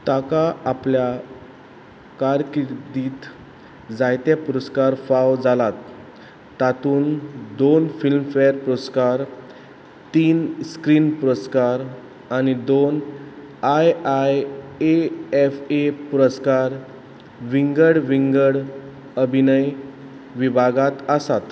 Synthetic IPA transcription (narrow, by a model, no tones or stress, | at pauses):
t̪akaʔaplja | kaɾkiɾd̪iːt̪ | d͡zajt̪japuɾəskaɾfawd͡zalat̪ː | at̪uːnd̪onfilmfejəɾpuɾəskaɾ | t̪iːnskɾiːnpuɾəskaɾ | añid̪on | ajajeefepuɾəskaɾ | ʋiŋɡəɽʋiŋɡəɽ | əbʱinəj | ʋibʱaɡat̪əsat̪